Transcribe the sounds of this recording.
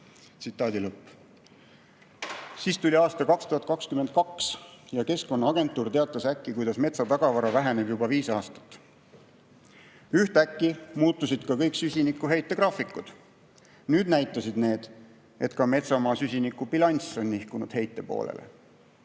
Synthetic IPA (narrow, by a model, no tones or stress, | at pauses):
t̪sit̪ːˑɑːd̪ilɤpː | siːst̪ulʲiɑːst̪ɑkɑkst̪uɦɑt̪kɑkskymed̪̚kɑksjɑke̞sko̞nːɑɑɡ̥e̞nt̪ːˑuːrt̪e̞ɑt̪ˑːɑsækːˑikujd̪̥ɑsme̞t̪sɑt̪ɑɡ̥ɑvɑɾɑvæɦæne̞bjubɑviːsɑːst̪ɑ̥t̪ːˑ | yht̪ækˑːimuːt̪ːˑusid̪̥kɑkɤjksysʲinikːˑuɦe̞jt̪ːˑe̞krɑfikːˑud̪̥ | nyːd̪̥næjt̪ːˑɑsid̪ne̞ːd̪̥ | e̞t̪kɑme̞t̪sɑmɑːsysʲinikːˑub̥ilɑnʲso̞nʲːihkunṵd̪̥he̞jt̪ːe̞po̞̰ːlḛlḛ